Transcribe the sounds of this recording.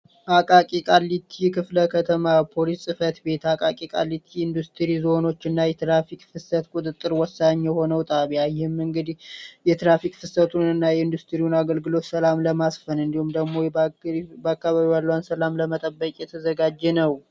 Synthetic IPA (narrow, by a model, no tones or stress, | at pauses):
ʔakʼakʼikʼalːit̪ʰikʰɨfləkʰət̪ʰəmapʰo̞lissʼɨfət̪be̞t̪akʼakʼikʼa̰lːit̪ʰiːnd̪ust̪ʰɨɾizo̞no̞t͡ʃːɨnːajɛt̪ɾafikʼfɨsət̪kʼut̪ʼɨt̪ʼːɨɾwɔsaɲːjɛho̞nəwt̪ʼaβjajɪhɨmːɨŋɡɨd̪jɛt̪ɾafikʼfɨsət̪ʰunɨnːajɛɨnd̪ust̪ʰɨɾiwunaɡəlɡɨlo̞t̪səlamləmasfənɨnd̪ihumd̪əɡmo̞ | bəakːaβaβiwalːəwansəlamləmət̪ʼəbːəkʼjɛt̪ʰəzəɡad͡ʒːɛnəw